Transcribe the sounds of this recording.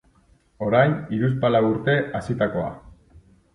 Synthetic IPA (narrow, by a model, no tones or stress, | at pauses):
o̞ɾajniɾus̬palawuɾt̪e̞ʔasit̪ako̞a̰